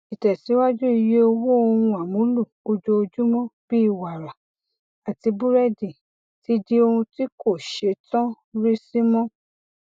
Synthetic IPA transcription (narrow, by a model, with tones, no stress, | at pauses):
i˨tɛ˨si˨˦wa˦d͡ʒu˦i˧je˦o˧wo˦o˧ũ˧a˨mũ˨˦lu˦˨o˧d͡ʒo˧o˧d͡ʒu˦mɔ̃˦b̥i˦i˦˨wa˨ɾa˨ | a˨ti˧bu˦ɾɛ˦di˨ | ti˨˦di˦o˧hũ˧ti˦ko˦˨ʃe˧tã˦ | ɾi˦si˦mɔ̃˦